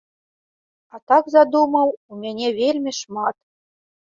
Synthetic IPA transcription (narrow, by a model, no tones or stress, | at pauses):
at̪aɡzad̪uməwumʲænʲɛvʲelʲmʲiʂmat̪